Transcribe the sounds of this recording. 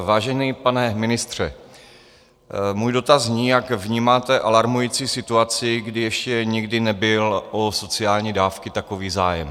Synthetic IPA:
vaːʒɛnipanɛmɪnɪst̪r̝̥ɛ | muːjdo̞t̪azɲiːjakvɲiːmaːt̪ɛʔalaɾmujiːt͡siːsɪt̪uat͡sɪɡdɪjɛʃcɛɲɪɡdɪnɛbɪlʔoso̞t͡sɪaːlɲiːdaːfkɪt̪ako̞viːzaːjɛ̰m

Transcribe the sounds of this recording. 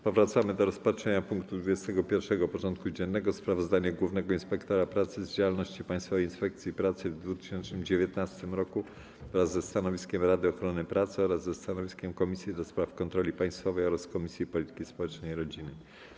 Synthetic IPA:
pɔvɾat̪samɘd̪ɔɾɔspatʂɛɲapuŋkt̪ud̪vud͡ʑɛst̪ɛɡɔpʲjɛɾfʂɛɡɔpɔʐɔnt̪̚kud͡ʑɛnːɛɡɔspɾavɔzd̪aɲɛɡwuvnɛɡɔinspɛkt̪ɔɾapɾat̪sɘzd͡ʑawalnɔɕt͡ɕipaj̃st̪fɔvɛjinspɛk̚t̪sʲjipɾat̪sɘvd̪vut̪ɘ̥ɕɛnt͡ʂnɘmd͡ʑevʲjɛt̪nast̪ɘmɾɔku | ɾazːɛst̪anɔvʲiskʲɛmɾad̪ɘɔxɾɔnɘpɾat̪sɘɔɾazːɛst̪anɔvʲiskʲɛmkɔmʲisʲjid̪ɔspɾafkɔnt̪ɾɔlʲipaj̃st̪fɔvɛjɔɾaskɔmʲisʲjipɔlʲit̪ɘ̥kʲispɔwɛt͡ʂnɛjɾɔd͡ʑinɘ

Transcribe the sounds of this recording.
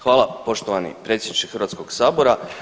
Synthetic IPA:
xʋaːlˠapo̞ʃt̪oʋanḭpɾe̞t̪sʲjed̪nit͡ʃexɾʋat̪sko̞ɡ̥saːbo̞ɾa

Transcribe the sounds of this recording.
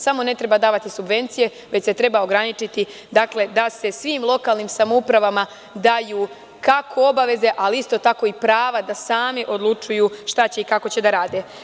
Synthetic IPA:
samo̞ne̞t̪ɾebad̪aːʋat̪isubʋe̞nt̪sije̞ | ʋe̞t͡ɕse̞t̪ɾe̞baoɡɾanit͡ʃit̪i | d̪akle̞d̪ase̞sʋiːmlˠo̞kaːlˠnimsamoupɾaʋama | d̪ajuː | kakʰo̞o̞baʋe̞ze̞ʔaliist̪o̞t̪ako̞ipɾaːʋad̪asaːmiʔo̞d̪lˠut͡ʃujuːʃt̪at͡ɕe̞ikako̞t͡ɕe̞d̪aɾaːd̪e

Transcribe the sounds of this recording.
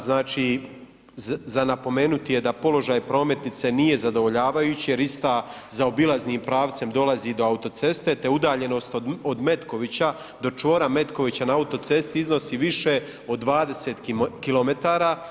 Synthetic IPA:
znaːt͡ʃi | zanapo̞me̞ːnut̪ije̞d̪apo̞lo̞ʒaːjpɾo̞ːme̞t̪nit̪se̞nije̞zad̪o̞ʋo̞ʎaːʋajuːt͡ɕije̞ɾist̪a | zao̞bilˠazniːmpɾaːʋt̪se̞md̪o̞lazid̪o̞aut̪o̞t̪se̞st̪e̞t̪e̞ud̪aːʎe̞no̞st̪ood̪me̞t̪ko̞ʋit͡ɕa | d̪o̞t͡ʃʋo̞ːɾame̞t̪ko̞ʋit͡ɕanaaut̪o̞t̪se̞st̪iizno̞siʋiʃe | o̞d̪ːʋaːd̪e̞set̪kilˠo̞me̞t̪aːɾa

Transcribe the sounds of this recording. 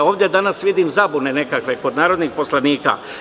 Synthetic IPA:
o̞ːʋd̪ʲjed̪anasʋid̪imzabune̞ne̞kakʋe̞ko̞d̪naːɾo̞d̪nixpo̞slaniːka̰

